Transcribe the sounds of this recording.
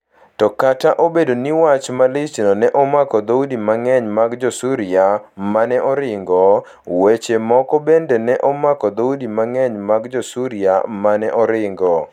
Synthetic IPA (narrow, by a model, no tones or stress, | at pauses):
tɔkataʔobedoniwat͡ʃmalisinɔnɛʔɔmakɔd̪oudimaŋɛɲmaɡd͡ʒɔsuɾiamanɛʔɔɾɪŋɡɔ | wet͡ʃemɔkɔbendɛnɛʔɔmakɔd̪ɔudimaŋɛɲmaɡd͡ʒɔsuɾia̰manɛʔɔɾɪŋɡɔ